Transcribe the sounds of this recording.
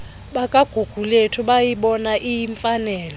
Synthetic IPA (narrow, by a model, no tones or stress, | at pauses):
ɓakʼaɡ̥ʱuɡ̥ʱuletʰɔɓajiɓɔnaʔijiɱfanɛːlɔ